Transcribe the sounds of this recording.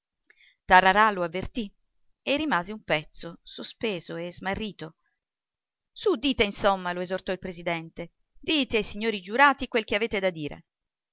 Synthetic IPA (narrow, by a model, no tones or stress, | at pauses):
t̪arːaɾaloavːert̪i | erːimaːzeumpɛt̪sosospeːzoezmarːiːt̪o | sud̪iːt̪einsomːaloezort̪ɔilpɾezid̪ɛnt̪e | d̪iːt̪eajsiɲːoːɾid͡ʒuɾaːt̪ikwelk̟eaveːt̪ed̪ad̪ːiːɾḛ